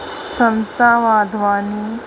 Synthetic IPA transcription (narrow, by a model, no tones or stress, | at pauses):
sɐnt̪aːʋaːd̪ʋaːniː